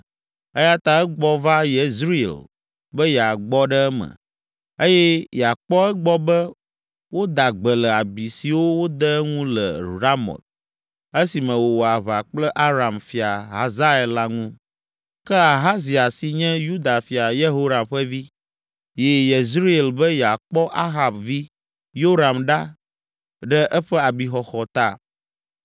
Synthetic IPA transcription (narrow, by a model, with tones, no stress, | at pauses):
ɛ˦ja˦t̪a˦ɛ˦ɡ͡bɔ˦va˦je˨zɾḭ˦˨l | bə˦jɛ˨a˨ɡ͡bɔ˦ɖɛ˦ɛ˦mɛ̰̃˨ | e˦jɛ˦jɛ˨a˨k͡pɔ˦ɛ˦ɡ͡bɔ˦bɛ˦ | wo˦d̪a˨ɡ͡bə˨lə˨a˨bi˨si˨wo˦wo˦d̪ɛ˦ŋũ˦lə̰˨ɾa˦mɔ̰˨t̪̚ | e˦si˨mɛ̃˨wo˨wo˨a˨βa˨k͡plɛ˦ʔa˦ɾa˨mfi˨a˨ɦa˨za˦ɛ˨lːa˦ŋũ˦ | kɛ˦a˨ɦa˦zi˨a˨si˨ɲɛ̃˦ju˦d̪a˨fi˨a˨je˦ɦo˦ɾa˨mɸɛ˦vi˦ | je˨je˨zɾi˦ɛ˨lbɛ˦jɛ˨a˨k͡pɔ˦ʔa˦ɦa˨bvi˦ | jo˦ɾa˨mɖa˦ | ɖɛ˦ʔɛ˦ɸɛ˦a˨bi˨xɔ˨xɔ˨t̪a˦˨